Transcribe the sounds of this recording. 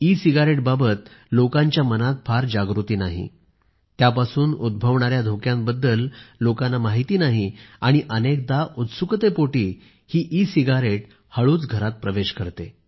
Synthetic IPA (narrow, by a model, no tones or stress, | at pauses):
isiɡaɾeʈ̚babət̪lokãɲt͡ɕjamənat̪̚fʰaɾd͡ʑaɡɾut̪iːnaɦḭ | t̪japasuːnud̪̚bʱəʋɳaɾjad̪ʱokjãmbəd̪ːəlːokãnamaɦit̪iːnaɦiaɽ̃iʔənek̚d̪aʔut̪sukt̪epoʈiː | hiːʔisiɡaɾeʈ | həɭuːt͡sɡʱəɾat̪̚pɾəʋeɕkəɾt̪e